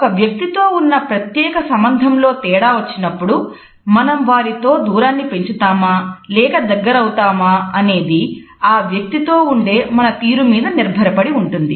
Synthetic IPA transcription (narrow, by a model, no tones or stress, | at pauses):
ɔkɐʋjɐk̚t̪it̪oːunːɐpɾɐt̪jɛːkɐsɐmbɐnd̪ʱɐmlo̞ːt̪ɛːɽaːʋɐt͡ʃːinɐpːuɽu | mɐnɐmʋaːɾit̪o̞ːd̪uːɾaːnːipe̞ɲt͡ʃut̪aːmaːlɛːkɐd̪ɐɡːɐɾɐwut̪aːmaɐne̞ːd̪i | aːʋjɐk̚t̪it̪o̞ːuɳɖe̞ːmɐnɐt̪iːɾumiːd̪ɐniɾbʱɐɾɐpɐɽiuɳʈund̪i